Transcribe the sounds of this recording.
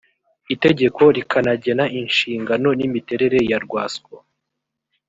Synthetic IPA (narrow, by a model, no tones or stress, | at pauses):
ite̞ɟe̞ko̞ɾikʰanaɟe̞naʔinʃiːŋɡano̞nimite̞ɾe̞ɾe̞jaɾɡwaːska